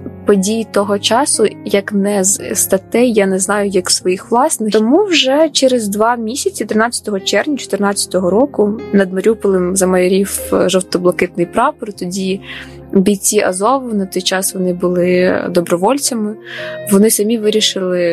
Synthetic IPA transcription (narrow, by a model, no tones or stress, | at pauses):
pɔdʲijit̪ɔɦɔt͡ʃɑsʊjɐknɛzst̪ɐt̪ɛjjanɛznɑjʊjɐksʋɔjixʋlˠɑsnɪt̪ɔmuwʒɛt͡ʃɛɾezd̪ʋɑmʲisʲɐt͡sʲit̪ɾɪnɑt͡sʲːɐ̥t̪ɔɦɔt͡ʃɛrnʲɐt͡ʃɔ̥t̪ɪrnɑt͡sʲːɐ̥t̪ɔɦɔɾɔkʊnɐd̪mɐɾʲupɔlˠɪmzɐmɐjɔɾʲiwʒɔwt̪ɔblˠɐkɪt̪̚nɪjpɾɑpɔrt̪ɔdʲi | bʲijt͡sʲiʔɐ̰zɔʋʊnɐt̪ɔjt͡ʃɑsʋɔnɪbʊlˠɪd̪ɔbɾɔʋɔlʲt͡sʲɐmɪʋɔnɪsɐmʲiʋɪɾʲiʃɪlˠɪ